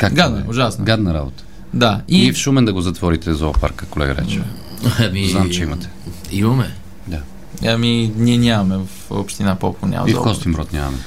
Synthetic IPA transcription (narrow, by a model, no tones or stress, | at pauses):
kakɡad̪nɐʊʒasnoɡad̪nɐɾabot̪ə̥ | d̪aifʃumɛnd̪ɐɡozɐt̪vɔɾit̪ɛzɔpa̰ɾkəkolɛ̰ɡəɾɛ̰t͡ʃɛ | amiznamt͡ʃɛimɐt̪ɛ̥ | imɐmɛ | d̪a | ɐminʲiɛnʲamɐmɛfo̰pʃt̪inapɔkonʲɲʲa̰m̰zifkɔst̪inbɾɔt̪nʲjamɐ̰mɛ